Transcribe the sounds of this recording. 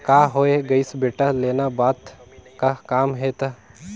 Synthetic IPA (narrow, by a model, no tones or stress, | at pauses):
kaːɦoːeɡɐɪsbeːʈaleːnabaːt̪kakaːmɦɛt̪a